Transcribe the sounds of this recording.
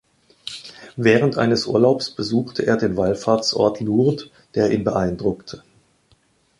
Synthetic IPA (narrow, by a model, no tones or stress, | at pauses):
vɛːʁ̞əntʔa̰ɪnəsʔṵːɐlaʊpsb̥əzuːxtʰəʔḛːɐdeːnvalfaːɐt͡sʔɔ̰ɐtʰlut | d̥eːɐʔḭːnbəʔaɪndʁʊktʰə̥